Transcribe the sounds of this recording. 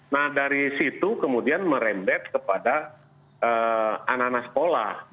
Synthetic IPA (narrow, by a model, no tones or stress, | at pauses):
nahdaɾisit̪ukəmudianməɾɛmbɛt̪̚kəpada | ʔəananasə̥kola